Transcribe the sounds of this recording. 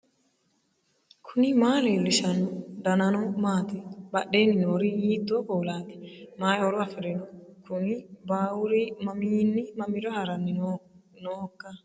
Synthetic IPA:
kʰʊnɪmaːleːlːɪʃɐnʊd̪ɐnɐnɔmaːt̪ɪbɐɗːeːnɪnoːɾijiːd̪ːoːkoːlaːt̪ɪ̥maːjɔɾʊɐfɪɾɛnɔkʰʊnɪbaːwʊɾimɐmiːnːɪmɐmɪɾɔhɐɾɐnːɪnnoːɔkːɐ

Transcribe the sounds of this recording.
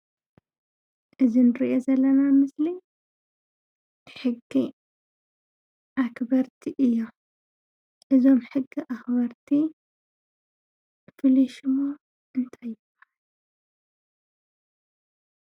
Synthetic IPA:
ʔɨzinɨɾiʔo̞zɐlːɐnamɨsli | ħɨɡːi | ʔakbɐɾt̪ʰiʔɨjːo | ʔɨzo̞mħɨɡːiʔaxbɐɾt̪ʰi | fɨliʃɨmo | ʔɨnt̪ʰajːɪb̥ːɐhal

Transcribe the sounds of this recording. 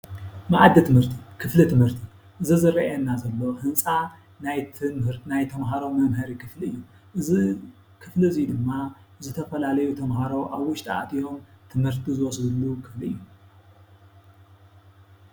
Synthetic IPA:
mɨʕad̪ːit̪ʰɨmhɨɾt̪ʰikʰɨflit̪ʰɨmhɨɾt̪ʰi | ʔɨzizɨɾɐɛnːazɐlːohɨnsʼa | najt̪ʰɨmɨɾnajt̪ʰɐmɦaɾo̞mɐmɦɐɾikʰɨfliɨjːu | ʔɨzi | kʰɨflizijud̪ɨmːa | zɨt̪ʰɐfɐlalɐjut̪ʰɐmɦaɾo̞ʔaβwʊʃt̪ʰʼaʔa̰t̪ʰijo̞mt̪ʰɨmhɨɾt̪ʰizɨwɔsd̪ɨlːukʰɨfliɨ̰jːu

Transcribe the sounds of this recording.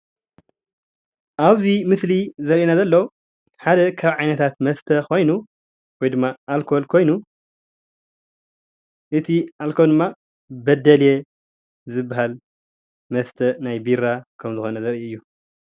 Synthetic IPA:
ʔaβzimɨslizɐɾʔenazɐlːɐw | ħad̪ɐkʰaβʕajnɐt̪ʰat̪mɐst̪ʰɐkʰo̞jnu | wɔjd̪ɨmːaʔːlkʰo̞lkʰo̞jnu | ʔɨt̪ʰiʔalkʰold̪ɨmːa | bɐd̪ɐlje | zɨbːaɦal | mɐst̪ʰɐnajbiɾakʰɐmzɨxo̞nɐzɐɾiɨjːu

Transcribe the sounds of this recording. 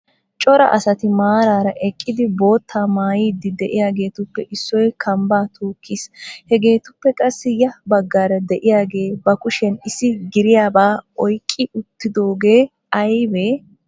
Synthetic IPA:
t͡ʃʼɔɾɐ̰ʔɐsɐt̪ɪmaːɾaːɾɐʔɛkʼːɪd̪ɪbo̞ːt̪ʰːaːmaːjiːd̪ɪd̪ɛʔɪjaːɡe̞ːt̪ʊpːɛʔɪsːɔjkʰɐmbaːt̪ʰuːkʰːiːshɛɡe̞ːt̪ʊpːɛkʼɐsːɪjɐbɐɡːaːɾɐd̪ɛʔɪjaːɡe̞ːbɐkʊʃɛnɪsɪɡɪɾɪjaːbaːɔjkʼːɪʊt̪ːɪd̪o̞ːɡe̞ː | ɐjbeː

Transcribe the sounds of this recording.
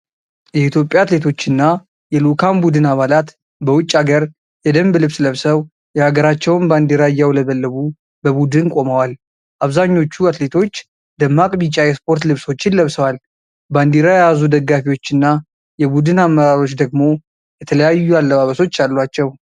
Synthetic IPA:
jɛit̪ʰjo̞pʼːjaːt̪le̞t̪ʰo̞t͡ʃːɪnːa | jɛlukʰambud̪ɨnaβalat̪ | bəwʊt͡ʃʼːaɡəɾ | jɛd̪əmblɨβsləβsəw | jɛhaɡəɾat͡ʃːɛwnband̪iɾajːawləβəlːəβu | bəβud̪ɨnkʼo̞məwal | ʔaβzaɲːo̞t͡ʃːuat̪le̞t̪ʰo̞t͡ʃː | d̪əmːakʼbit͡ʃʼajɛspo̞ɾt̪lɨβso̞t͡ʃːɪnləβsəwal | band̪iɾajɛjazud̪əɡːafiwo̞t͡ʃːɪnːa | jɛbud̪ɨnamːəɾaɾo̞t͡ʃːd̪əɡmo̞ | jɛt̪ʰələjajːualːəβaβəso̞t͡ʃːalːwat͡ʃːɛw

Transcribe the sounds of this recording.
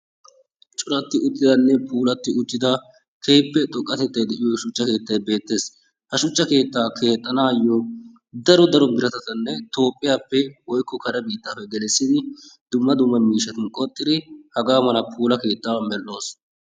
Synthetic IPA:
t͡ʃʼʊɾɐt̪ːɪʊt̪ʼːɪd̪ɐnːɛpʰuːlɐt̪ːɪʊt̪ːɪd̪ɐ | kʰejpːɛt̪ʼɔkʼːɐt̪ɛt̪ːɐjd̪ɛʔɪjɔʃʊt͡ʃːɐke̞ːt̪ːɐjbe̞ːt̪ːe̞ːs | hɐʃʊt͡ʃːɐke̞ːt̪ːaːkʰe̞ːt̪ʼːɐnaːjːɔ | d̪ɐɾɔd̪ɐɾɔmɪɾɐt̪ɐt̪ɐnːɛt̪o̞ːpʼːɪjaːpːɛwɔjkːɔkɐɾɐbiːt̪ːaːpːɛɡɛlɛsːɪd̪ɪd̪ʊmːɐd̪ʊmːɐmiːʃɐt̪ɪnkʼɔt̪ʼːɪd̪ɪhɐɡaːmɐnɐpʰuːlɐke̞ːt̪ːaːwɐmɛlʔo̞ːs

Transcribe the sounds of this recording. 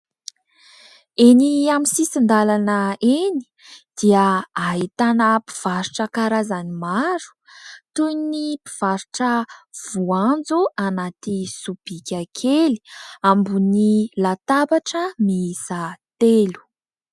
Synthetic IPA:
eniamisisind̪alanəeni̥ | d̪̥iaːɦit̪anəpi̥v̥aɾuʈ͡ʂəkaɾazanimaɾu̥t̪ujnipi̥v̥aɾuʈ͡ʂəv̥uand͡zuanat̪isub̥ikʲakʰeli̥ambunilat̪apaʈ͡ʂəmiisat̪elu̥

